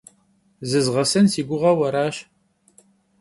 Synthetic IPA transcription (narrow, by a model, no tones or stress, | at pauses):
zɨzʁɐsɨnsiːɡʷʊʁɐwɐɾaːʃ